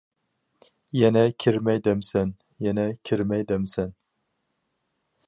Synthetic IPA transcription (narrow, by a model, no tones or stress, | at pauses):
jɛnɛkʲʰɪɾmæjd̪æmsæn | jɛnɛkʲʰɪɾmɛjd̪æmsæn